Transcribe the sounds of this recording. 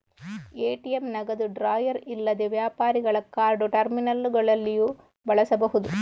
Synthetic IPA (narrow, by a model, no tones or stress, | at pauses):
eːʈijɐmnɐɣɐðɯɖɾaːjɐɾɪlːɐðeʋjaːpaːɾɪɣɐɭɐkːaːɾɖoʈɐɾmɪnɐlɡɐɭɐlːɪju | ʋɐɭɐsɐbɐɣɯðɯ